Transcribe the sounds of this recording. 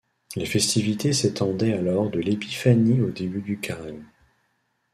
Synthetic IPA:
lefɛst̪ivit̪eset̪ɑ̃d̪ɛalɔʁd̪əlepi̥faniod̪ebyd̪ykaʁan

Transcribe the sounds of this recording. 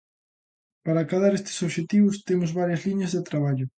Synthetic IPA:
paɾakaðaɾest̪ɪ̥soβʃet̪iβʊst̪emʊzβaɾjɐzliɲɐzðet̪ɾaβaʎʊ

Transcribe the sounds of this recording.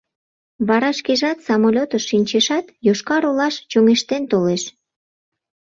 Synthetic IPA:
βɑɾɑʃkeʒɑt̪sɑmolʲot̪əʃːinʲt͡ɕeʃɑt̪joʃkɑɾolɑʃt͡ɕoŋeʃt̪ent̪oleʃ

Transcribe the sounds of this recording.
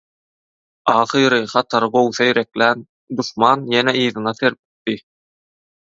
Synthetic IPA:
ɑːχɯɾɯχɑt̪ʰɑɾɯbo̞wθɑiɾeklʲæn | d̪uʃmɑːnjeneʔɯːðɯnɑθe̞ɾp̚ʲi̥t̪ːi

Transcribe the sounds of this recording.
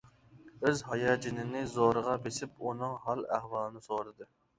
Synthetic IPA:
øzɦɑjɑːd͡ʒinɪnɪzoɾəʁɑbesɪp̚unɨŋɦɑlˠæ̰hwɑːlˠɨnɨsoɾɨd̪ɨ

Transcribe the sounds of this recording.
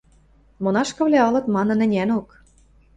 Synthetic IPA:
monɑʃkɤ̆βlʲæɤ̆lɤ̆t̪mɑnɤ̆nɘ̆nʲænok

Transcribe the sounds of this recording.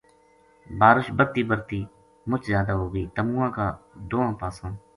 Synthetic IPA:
baːɾʊʃbəɾt̪iːbəɾt̪iː | mʊt͡ʃzjaːd̪aːɦoːɡiːt̪əmũːãːkaːd̪oːãːpaːsõː

